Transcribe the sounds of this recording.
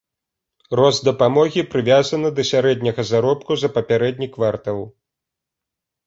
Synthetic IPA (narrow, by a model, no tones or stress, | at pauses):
rɔzd̪ɐpamɔɣʲipɾɨvʲazɐnɨd̪ɐsʲaɾɛd̪ʲnʲɐɣɐzaɾɔpkuzɐpɐpʲaɾɛd̪ʲnʲikvart̪ɐw